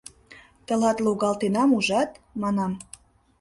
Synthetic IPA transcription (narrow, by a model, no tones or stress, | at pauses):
t̪ə̆lɑt̪loɣɑlt̪enɑmuʒɑt̪mɑnɑm